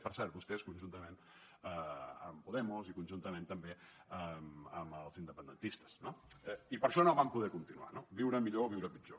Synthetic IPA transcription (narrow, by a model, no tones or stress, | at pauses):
pəɾsɛɾt̪̚bust̪ɛskunʲʒunt̪əmẽn | əəmpuðɛmuzikunʒunt̪əmẽnt̪əmbeəməməlˠzind̪əpənd̪ənt̪ist̪ə̥znoɛipəɾʃɔnoβampuðɛkunt̪inua̰nobiwɾəmiʎoβiwɾəpit͡ʃo